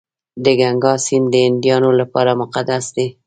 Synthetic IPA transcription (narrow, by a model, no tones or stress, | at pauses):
d̪əɡaŋɡɑsind̪əɪnd̪ijɑnolapɑɾamʊqad̪asd̪e